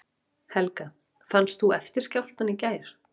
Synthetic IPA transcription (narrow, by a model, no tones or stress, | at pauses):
hɛlka | fanst̪huɛft̪ɪɾ̥scawl̥t̪anːicaːjɾ̥